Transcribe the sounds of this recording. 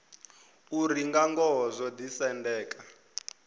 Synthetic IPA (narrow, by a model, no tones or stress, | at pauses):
uriŋɡaŋɡɔɦzʷɔd̪isɛndɛːkʼa